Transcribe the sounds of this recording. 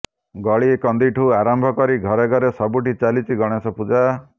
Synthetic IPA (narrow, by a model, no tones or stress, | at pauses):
ɡɔɭiekɔnd̪iʈʰuaɾɔmbʱɔkɔɾiɡʱɔɾeɡɔɾesɔbuʈit͡ʃalit͡ʃʰiɡɔɽ̃esɔpud͡ʒa